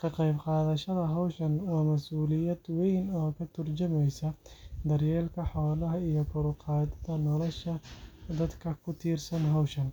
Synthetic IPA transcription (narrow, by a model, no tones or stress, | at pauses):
kʰɐqɛjbqɑːðɐʃɐðɐɦɐwʃɐnwaːmɐsuːlɪjɐd̪wɛjnɔːkʰɐt̪ʰʊrt͡ʃɐmɛjsɐd̪ɐrjɛːlkʰɐħɔːlɐɦɐijɞkʰʊɾʊqɑːd̪ɐðɐnɔlɔʃɐd̪ɐd̪kʰɐkʰʊt̪ʰiːrsɐnɦɐwʃɐn